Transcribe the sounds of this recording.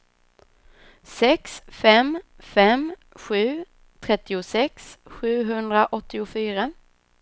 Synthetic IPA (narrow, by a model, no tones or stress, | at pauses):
sɛksfɛmfɛmɧʉ̟ː | t̪ʰɾɛt̪ːɪʊsɛksɧʉ̟ːɦɵnd̪ɾaʔɔt̪ːɪʊfyːɾa